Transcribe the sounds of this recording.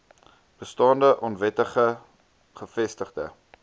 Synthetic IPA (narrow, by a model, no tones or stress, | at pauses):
b̥əstɑːndəʔɔnvɛtəχə | χəfɛstəχdə̰